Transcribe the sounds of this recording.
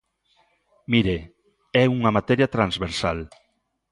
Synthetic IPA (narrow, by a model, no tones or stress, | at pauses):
miɾe | ɛuŋɐmat̪ɛɾjɐt̪ɾanzβeɾsal